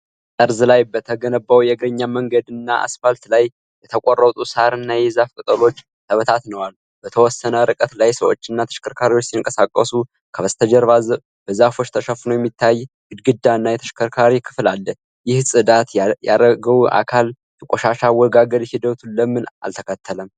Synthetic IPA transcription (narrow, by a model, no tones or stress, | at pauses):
t̪ʼəɾzɨlajbət̪ʰəɡənəbːawjɛɡɾəɲːaməŋɡəd̪ɨnːaʔa̰sfalt̪laj | bɛt̪ʰəkʷʼorːət̪ʼusaɾɨnːajɛzafkʼɨt̪ʼəlo̞t͡ʃː | t̪ʰəβət̪ʰat̪nəwal | b̥ət̪ʰəwɔsːənəɾɨkʼət̪lajsəwot͡ʃːɨnːat̪ʰə̥ʃkʰəɾkʰaɾiwo̞t͡ʃːsiŋkʼəsakʼːəsu | kʰəβəst̪ʰəd͡ʒəɾβaz | b̥əzafo̞t͡ʃːt̪ʰəʃəfnəwjɛmːit̪ʰːaj | ɡɨd̪ɡɨd̪ːaɨnːajɛt̪ʰə̥ʃkʰəɾkʰaɾikʰɨ̥flalːə | jɪhsʼɨd̪at̪ja̰ɾəɡəwuʔa̰kʰal | t̪ʰəkʼoʃaʃawɔɡaɡəd̪hid̪ət̪ʰuləmːɨna̰lt̪ʰəkʰət̪ʰːələm